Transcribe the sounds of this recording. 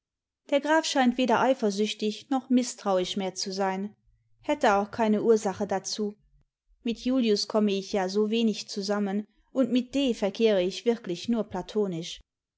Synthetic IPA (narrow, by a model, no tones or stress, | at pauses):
d̥eːɐɡʁaːfʃaɪntv̥eːdɐʔaɪfɐzʏçtɪçnɔχmɪstʁ̥aʊɪçmeːɐt͡suzaɪn | hɛtəaʊxkʰaɪnəʔuːɐzaχədat͡suː | mɪtʰjuːljʊskʰɔməɪçjaːzoːveːnɪçt͡suzamən | ʔʊntmɪt̚d̥eːfɛɐkʰeːʁəɪçv̥ɪɐklɪçnuːɐpʰlatʰoːnɪʃ